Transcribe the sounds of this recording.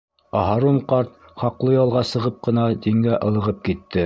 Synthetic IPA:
ɑɦɑɾoɴqɑɾt̪̚ | χɑqlˠɤjɑlˠʁɑsɤ̆ʁɤp̚qɤ̆nɑd̪iŋɡæʔɤ̆lˠɤ̆ʁɤp̚kit̪ːɘ

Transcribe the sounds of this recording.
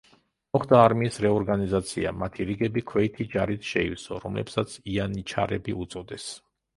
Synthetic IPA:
mɔχd̪aːɾmiːsɾɛɔɾɡanizat̪sʰia̰mat̪ʰiɾiɡɛbikʰwɛit̪ʰid͡ʒaɾit̪ʰʃɛḭsɔɾɔmlɛ̰psat̪sʰianit͡ʃʰa̰ɾɛbiut̪sʼɔd̪ɛs

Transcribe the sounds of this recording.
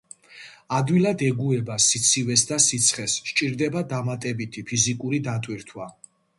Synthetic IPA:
ad̪wilad̪ɛɡuɛbasit̪sʰivɛsd̪asit̪sʰχɛsʃt͡ʃʼiɾd̪ɛbad̪amat̪ʼɛbit̪ʰipʰizikʼuɾid̪at̪ʼwiɾt̪ʰwa

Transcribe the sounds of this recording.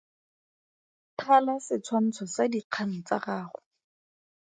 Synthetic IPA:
tʰalasɪt͡sʰwan̩t͡sʰɔsadiq͡χʰaŋ̩t͡sa̰raːχʊ

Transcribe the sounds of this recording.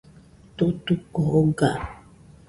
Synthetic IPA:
tutukɔɡa

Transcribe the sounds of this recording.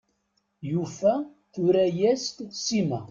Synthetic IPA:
jufæ | θuɾæjæst̪simæ̰

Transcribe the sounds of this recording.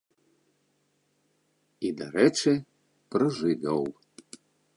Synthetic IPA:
id̪aɾɛt͡ʂɨ | pɾɐʐɨɡ̪ɐw

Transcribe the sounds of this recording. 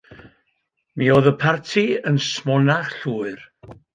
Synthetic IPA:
miːoːðəpʰartʰiənsmɔnaχɬuːɨr

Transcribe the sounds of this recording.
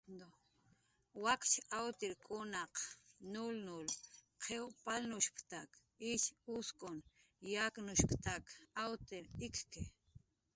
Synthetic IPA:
d̪o | wakt͡ʃawt̪ɪɾkʼʊnɑqnʊlnʊlqʰewpalnʊʃpt̪ak | ɪʃʊskʊn | jaknʊʃpt̪akawt̪ɪɾɪkkɪ

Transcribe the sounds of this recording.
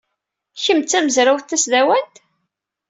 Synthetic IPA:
çəmt͡sːæməzɾawθθæsðæwænt̪

